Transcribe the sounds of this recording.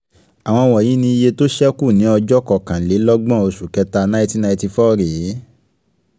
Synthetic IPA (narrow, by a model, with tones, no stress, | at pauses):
a˨w̃ɔ̃˧wɔ˨jĩ˨˦nĩ˧i˧je˧to˦ʃɛ˦ku˦˨nĩ˨˦ɔ˧d͡ʒɔ˦kɔ˦˨kã˨le˨˦lɔ˦ɡ͡bɔ̃˦˨o˧ʃu˨kɛ˧ta˧nã˦ti˦na˧ĩ˧ti˧fɔ˦˨ɾi˨˦